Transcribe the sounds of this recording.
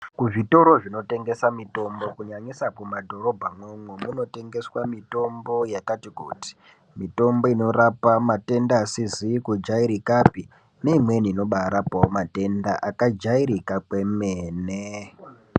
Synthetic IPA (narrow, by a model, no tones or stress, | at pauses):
kuʐito̞ɾo̞ʐino̞te̞ŋɡe̞samito̞mbo̞kuɲaɲisapumadʱo̞ɾo̞bʱamwemwe̞muno̞te̞ŋɡe̞swamito̞mbo̞jakatikṵːti̥ | mito̞mbo̞ino̞rapamate̞ndaːsizikud͡ʒaiɾikapi | ne̞imwe̞niːno̞ɓaɾapaomate̞ndaʔakad͡ʒaiɾikakwe̞meːne